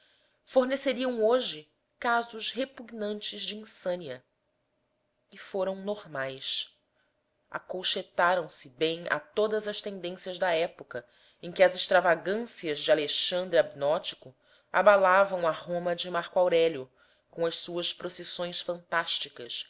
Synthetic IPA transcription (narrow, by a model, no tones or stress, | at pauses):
foɾneseɾiɐ̃w̃oʒɪ | kazʊʃhepuɡnɐ̃nt͡ʃɪzd͡ʒɪĩsɐ̃niɐ | ɪfoɾɐ̃w̃noɾmajs | a̰kowʃet̪aɾɐ̃w̃sɪbẽj̃a̰t̪od̪ɐzɐʃt̪ẽnd̪ẽsiɐzd̪ɐɛpokɐ | ẽj̃kʲɪɐzɪʃt̪ɾavaɡɐ̃siɐzd͡ʒɪaleʃɐ̃nd̪ɾiabinɔt͡ʃi̥kʊ | a̰balavɐ̃w̃ɐhõmɐd͡ʒɪmaɾkuawɾɛlʊ | kõɐʃsuɐʃpɾosesõj̃sfɐ̃nt̪aʃt͡ʃikɐs